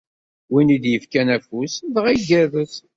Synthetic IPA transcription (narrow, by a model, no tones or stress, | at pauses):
winid̪jəfkænæfusðʁiɡævəs